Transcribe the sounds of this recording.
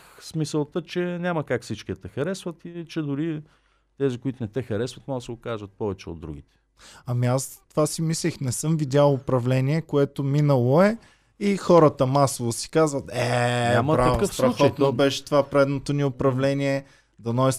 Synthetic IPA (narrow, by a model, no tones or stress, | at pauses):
smisəlˠt̪ət͡ʃɛnʲaməkakfsit͡ʃkiɛt̪ɛxɐɾɛsvət̪iit͡ʃɛd̪ʊɾi | t̪ɛzikʊit̪ʊnɛt̪ɛxɐɾɛsvɐt̪mɔɡəsɛokaʒət̪̚pɔvɛt͡ʃɛo̰d̪ːɾṵɡ̟ʲit̪ɛ̥ | ɐmiast̪ovasimislixnɛsɤmvid̪ʲalˠʊpɾɐvlɛnʲiɛkoɛt̪ominəlˠoɛ | ixɔɾət̪əmasovosi̥kazvət̪ɛaməɾaɐvkəsfsɾɐxɔt̪nobɛʃɛ̥t̪ovapɾɛd̪not̪oniʊpɾɐvlɛniɛ | d̪ɐnɔjs